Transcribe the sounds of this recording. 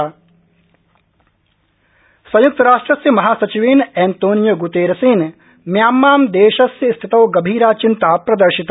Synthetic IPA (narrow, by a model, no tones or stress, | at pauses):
sɐ̃juk̚t̪ɐɾaːʂʈɾɐsjɐmɐɦaːsɐt͡ʃiʋiːnɛːnt̪oːnjɐɡut̪eːɾɐsiːn | mjaːmːaːmd̪eːʃɐsjɐst̪ʰit̪ɐwɡɐbʱiːɾaːt͡ʃint̪aːpɾɐd̪ɐɾʃit̪